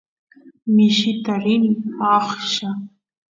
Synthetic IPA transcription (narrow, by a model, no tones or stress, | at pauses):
miʃitʰarinaχʃa